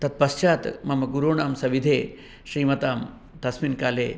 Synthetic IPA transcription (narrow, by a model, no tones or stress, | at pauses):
t̪ɐt̪̚pɐst͡ʃaːt̪mɐmɐɡuɾoːɳaːmsɐʋid̪ʱeː | ɕɾiːmɐt̪aːm | t̪ɐsmiːnkaːleː